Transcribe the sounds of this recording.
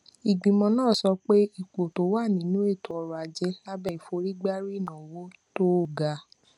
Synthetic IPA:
i˨ɡ͡bĩ˨mɔ̃˧˦nãː˦˨sɔ˧˦k͡pe˦i˨k͡po˨to˨˦wa˦˨nĩ˨˦nũ˦e˦˨to˨˦ɔ˧ɾu˨a˨d͡ʒɛ˧˦a˦bɛ˦˨i˨fo˧˦ɾi˦ɡ͡ba˦ɾi˦˨nã˨wo˦ | to˦˨ɡa˧˦

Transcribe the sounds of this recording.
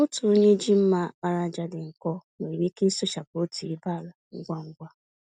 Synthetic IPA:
ʊ˦tu˨o˦ɲe˦d͡ʒi˦m̩˦ma˦ba˦ɾa˦˨d͡ʒa˨dɪ˨ŋ̩˨kɔ˦me˨ɾi˦ki˦sʊ˦ʃa˨po˦ti˨i˦ba˦˨la˨ŋ̩˦ɡʷa˦ŋ̩˦ɡʷa˦

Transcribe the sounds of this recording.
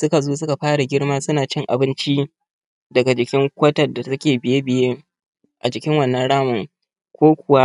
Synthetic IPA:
sʊ˦ka˨zoː˦s̬ʊ˦ka˨ɸaː˦ɽa˨ɡʲɪ˦ɽmaː˦sʊ˦naː˨t͡ʃɪ˦ŋʔa̰˨bɪ˦nt͡ʃi˦ | dɐ˨ɡa˨d͡ʒɪ˨kʲɪ˦ŋkʷɐ˦tɐ˨da˨sɐ˦kʲeː˨bɪ˨je˦bɪ˨jeː˦ | ʔa˨d͡ʒɪ˨kʲɪ˦ŋwɐ˦˨nːɐ˦nɽaː˦mʊ˨ŋ | kʷoː˦kʷʊ˨wa˦

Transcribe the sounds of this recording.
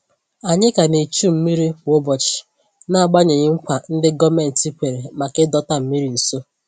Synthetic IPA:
a˨ɲɪ˦ka˨ne˨t͡ʃu˦m̩˦mi˦ɾi˦˨˦o˦bɔ˨t͡ʃɪ̥˨ | na˦a˨ɡ͡ba˦ɲe˨ɲɪ˦ŋ̩˦kʷa˨n̩˦dɪ˦ɡɔ˦me˨n̩˨ti˦kʷe˨ɾe˨ma˨ke˦dɔ˦ta˦m̩˦mi˦ɾi˨n̩˨so˦

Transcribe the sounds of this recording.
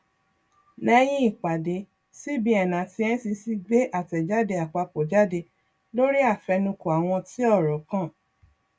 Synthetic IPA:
nɛ̃˧j̃ĩ˦i˦˨k͡pa˨de˨˦ | si˦bi˨˦ɛ˦˨nã˨ti˧˦ɛ˦n̩˦si˧si˦ɡ͡be˦ʔa˦˨tɛ˨d͡ʒa˦de˧a˨k͡pa˧k͡po˨d͡ʒa˦de˧ | lo˦ɾi˦a˦˨fɛ˧nũ˧ko˨a˨w̃ɔ̃˧ti˦ɔ˦˨ɾɔ˨kã˦˨

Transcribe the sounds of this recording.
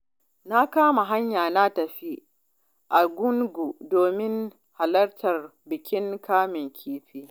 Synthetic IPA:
na˦kaː˦ma˨ɦa˦ɲjaː˨na˦tɐ˨ɸi˦ | ʔa˨ɡʷʊ˦ŋɡʷu˨doː˨mɪ˦ŋ | ha˨lɐ˦rtʰɐ˨rbɪ˨kʲɪ˦ŋkaː˦mɪ˨ŋkʲʰiː˦ɸiː˦

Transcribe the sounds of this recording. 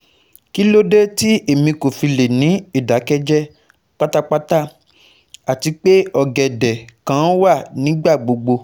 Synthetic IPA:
ki˦lo˦de˦ti˦e˦˨mĩ˧ko˨fi˧le˨nĩ˨˦i˦˨da˨˦kɛ˦d͡ʒɛ˦ | k͡pa˦ta˦k͡pa˦ta˦ | a˨ti˧k͡pe˦ɔ˨ɡɛ˨dɛ˨kã˦wa˦˨nĩ˨˦ɡ͡ba˦˨ɡ͡bo˧ɡ͡bo˧

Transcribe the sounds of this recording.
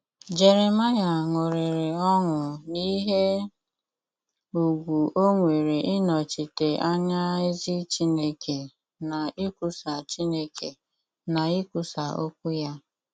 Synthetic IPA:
d͡ʒe˨ɾe˨ma˦ja˨ŋʊ˨ɾɪ˨ɾɪ˨ɔ˦ŋʊ˨ni˦ɦe˦ | u˨ɡʷu˨o˦ŋʷe˨ɾe˨ʔɪ˦nɔ˨t͡ʃi˨te˨ʔa˦ɲa˦e˦zi˦t͡ʃi˦ne˦kʰe˨ | na˨i˦kʷu˨sa˨t͡ʃi˦ne˦ke˨ | na˨i˦ku˨sa˨o˦kʷʊ˦ja˦

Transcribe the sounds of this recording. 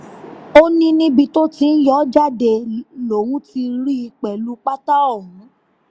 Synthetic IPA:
o˦nĩ˦nĩ˦bi˧to˦ti˧n̩˦jɔ˦d͡ʒa˦de˧lo˨w̃ũ˦ti˧ɾi˦i˧k͡pɛ˨lu˦k͡pa˦ta˦ɔ˦˨ɦũ˨˦

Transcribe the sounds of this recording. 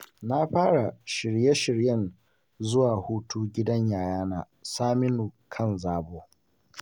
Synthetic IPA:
na˦ɸaː˦ɽa˨ʃɪ˨ɽje˦ʃɪ˨ɽjɐ˦˨n | zʊ˦waː˨huː˦tʰuː˦ɡʲɪ˦dɐ˦ɲjaː˨jaː˦naː˨ | saː˦mɪ˦nuː˨kʰɐ˦˨nzaː˨boː˦

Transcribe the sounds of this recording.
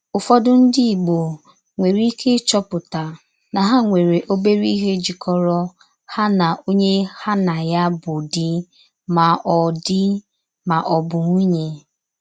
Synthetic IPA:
ʊ˨fɔ˦dʊ˦n̩˦dɪ˦i˨ɡ͡bo˨ | ŋʷe˨ɾi˦kʰe˦t͡ʃɔ˦pʊ˨ta˨ | na˨ɦa˦ŋʷe˨ɾe˨ʔo˦be˦ɾi˦ɦe˦d͡ʒi˨kʰɔ˦ɾɔ˦ | ha˦na˨ʔo˦ɲe˦ha˦na˨ja˦bʊ˨dɪ˦ | ma˨ʔɔ˨dɪ˦ | ma˨ʔɔ˨bʊ˨ŋu˦ɲe˦

